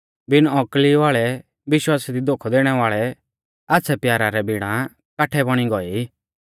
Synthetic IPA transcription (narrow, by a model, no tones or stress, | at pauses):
bɪnɔkliʋaːɭɛ | ʋɪʃwaːsid̪id̪oːkʰɔd̪eːɽ̃ɛʋaːɭɛ | aːtːsʰɛpjaːɾaɾɛbɪɽ̃ã | kaːʈʰɛbɔɽ̃iɡɔi